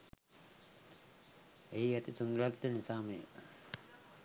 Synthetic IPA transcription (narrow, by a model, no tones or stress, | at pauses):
eiɐt̪isund̪ɾat̪ːənisaːməjə̰